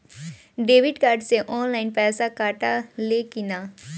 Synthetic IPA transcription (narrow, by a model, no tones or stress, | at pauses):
ɖeːʋɪɖkaːɾɖseʔɔːnlaːɪnpɛːsakaːʈalekɪnaː